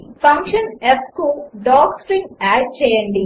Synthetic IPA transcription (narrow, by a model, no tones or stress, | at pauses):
fɐ̃ŋkʃɐneskuɖɔːkspɾĩŋæːt͡ʃejɐ̃ɳɖi